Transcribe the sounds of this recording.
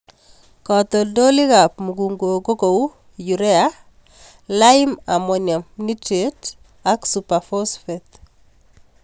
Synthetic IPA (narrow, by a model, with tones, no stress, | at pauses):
kɔt̪ɔ˨do˦li˦ka˨pmuɡu˨ŋɡo˨ɡo˦ko˨w | juɾɛ˦a | la˦ɪma˨mɔ˨ɲjɔ˨mni˦tet | aksupafɔsfɛt̪